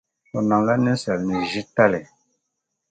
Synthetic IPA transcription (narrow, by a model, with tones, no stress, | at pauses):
sɔ˨na˨ŋla˦nɛ˦n˦sa˨lnɛ˨ʒi˦ta˦lɛ˨